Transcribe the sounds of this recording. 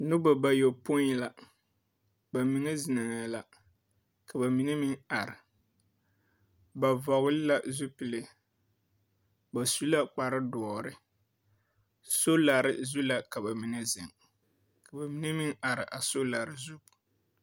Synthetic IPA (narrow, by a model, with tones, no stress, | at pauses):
nʊ˦ba˨ba˨jo˨pʊ˦la˨ | ba˨mi˨ŋɛ˦zɪ˨nɪ˨ŋa˨˦la˨ | ka˨ba˨mi˨nɛ˦mi˦ŋa˨ɾɪ˨ | ba˨va˨ɣʊ˦lɪ˦la˦zu˦pɨ˨lɪ˦ | ba˨su˦la˦k͡pa˨ɾɪ˦dɔː˨ɾɪ˨ | so˦la˨ɾɪ̰˦zu˦la˨ka˨ba˨mi˨nɛ˦zɪ˨ŋ | ka˨ba˨mi˨˦nɛ˦mi˦ŋa˨ɾɪ˨ʔa˨so˦la˨ɾɪ˦zu˦